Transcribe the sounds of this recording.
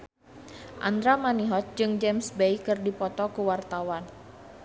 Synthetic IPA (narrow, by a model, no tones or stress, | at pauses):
ʔa̰nd̪ɾamaniɦɔt̪̚d͡ʒɨŋd͡ʒemsbejkɨrdipɔt̪ɔkuwart̪awan